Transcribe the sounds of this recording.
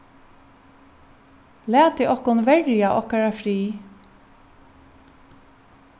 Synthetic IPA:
læːt̪iʔɔkʊnʋɛɹjaʔɔkaɹafɾiː

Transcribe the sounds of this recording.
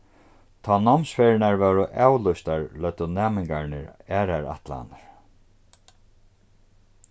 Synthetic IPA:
t̪ʰɔːnɔmsfɛɾɪnaɹvɛːwɾʊʔaːwlʊjst̪aɹlœt̪ːʊnɛːmɪŋkaɹnɪ̰ɾɛːɾaɾa̰ht̪la̰naɹ̥

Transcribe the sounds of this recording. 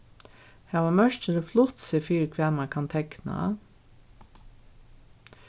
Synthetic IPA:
hæːʋamœʃt͡ʃələflʊt̪sɪfiːɾkʰʋæːmakʰɑnt̪ʰɛkna̰

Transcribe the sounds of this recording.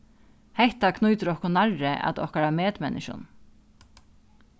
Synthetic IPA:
hɛht̪akʰnujt̪əɾɔhkɔnaɹːɪʔa̰t̪ɔ̰hkaɾameːt̪mɛnːɪʃʊ̰n

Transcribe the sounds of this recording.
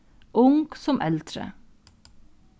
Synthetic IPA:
ʔʊŋɡ̥sɔmʔɛlt̪ɾə̰

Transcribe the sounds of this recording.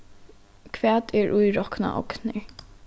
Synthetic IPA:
kʰvæːt̪ɛɹʔujɹɔkna̰ʔɔ̰knɪ

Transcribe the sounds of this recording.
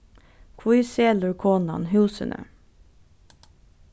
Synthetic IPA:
kʰʋʊiseːlʉkʰoːnɑ̰nɦʉːsə̰nʔə̰

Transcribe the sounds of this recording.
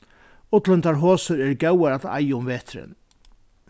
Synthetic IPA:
ʊt̪lɪnt̪aɾɦoːsəɾɛɹɡɛwaɾat̪a̰jəʊmveːt̪ʰɾɪ̰n

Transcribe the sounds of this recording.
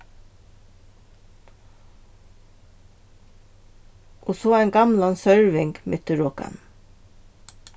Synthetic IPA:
ʔoːsoːæɪnɡɑmlɑnsœɹʋɪŋɡmʏt̪əɹɔkɑ̰n

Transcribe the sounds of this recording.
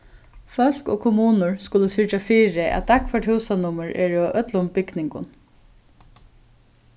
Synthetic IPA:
fœl̥ko̰ːkʰʊmuːnʊɹskʊləsɪɹt͡ʃafiːɹɪʔæ̰t̪̚ːakfɛʈhʉwsanʊməɹʔɛ̰ːɹʊʔœt̪lʊmbɪknɪŋkʊ̰n

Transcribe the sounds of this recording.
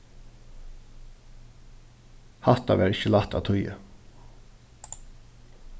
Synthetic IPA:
haht̪aʋɛːɹɪçəlaht̪a̰t̪ʰʊjə̰

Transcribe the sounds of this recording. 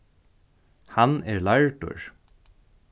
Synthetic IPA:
hanɛɹlaɹʈʊ̰ɹ

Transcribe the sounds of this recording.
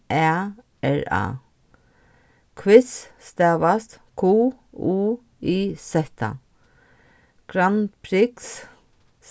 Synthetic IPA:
ʔɛː | ɛɹa̰ː | kʰwɪsst̪ɛːʋast̪ | kʰuːuː | iːsɛht̪ʰa̰ | ɡ̥ɾanpʰɾɪks

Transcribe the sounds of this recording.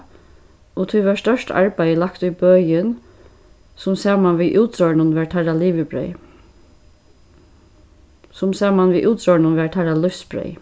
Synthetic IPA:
ɔt̪ʰuʋaɹst̪œʂta̰ɹbæɪjəlakt̪ʊjbœːjɪn | sʊmsɛːmanʋiːʔuːt̪ɔɹnʊnʋæɹt̪ʰaɾaliːʋɪbɾœ̰j | sʊmsæːmanʋiːʔuːt̪ɾɔnʊnʋæɹt̪ʰaɾalʊfsbɾœ̰j

